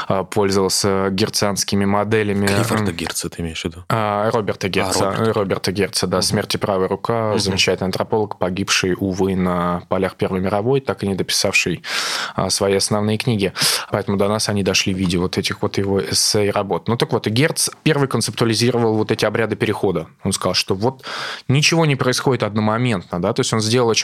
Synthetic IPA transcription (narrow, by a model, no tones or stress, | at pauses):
əpʰo̞lʲzəvəlˠsʲəɡʲɪrt̪sɨanskʲɪmʲɪmɐd̪ɛlʲɪmʲɪfəɡʲert̪sət̪ɨɪmʲejʂvʲɪd̪uarobʲɪrt̪əɡʲesɾobʲɪrt̪əɡʲert̪səd̪asmʲertʲɪpɾavɨjɾʊkazəmʲɪt͡ɕːætʲɪlɨjɐnt̪ɾɐpo̞lˠəkpɐɡʲipʂɨjʊvɨnəpalʲaxpʲe̞rvəjmʲɪɾɐvo̞jt̪akɨnʲɪd̪əpʲɪ̥safʂɨjə̰svɐjijɐsnɐvnɨjəknʲiɡʲɪpɐɛt̪əmʊd̪ɐnasɐnʲid̪ɐʂlʲivʲidʲɪvo̞t̪ɛtʲɪxvo̞t̪jɪvoɛsejrɐbo̞t̪nut̪əkvo̞t̪ɨɡʲert̪spʲe̞rvɨjkənt̪sɨp̚t̪ʊəlʲɪzʲiɾəvəlˠvo̞t̪ɛtʲɪɐbɾʲad̪ɨpʲɪɾʲɪxo̞d̪əo̞nskɐzɑlˠʂt̪o̞vo̞t̪nʲɪt͡ɕɪvo̞nʲɪpɾəɪsxo̞dʲɪt̪ɐd̪nomɐmʲe̞nt̪nəd̪at̪o̞jsʲo̞nzʲdʲe̞lˠəlˠ